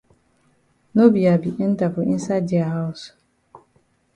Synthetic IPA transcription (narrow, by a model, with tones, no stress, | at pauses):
nõ˦bi˨a˨bi˨ʔn̩˦ta˨fʊ˨i˦n˦sa˦dɪ˨a˨ha˦ʊ˨s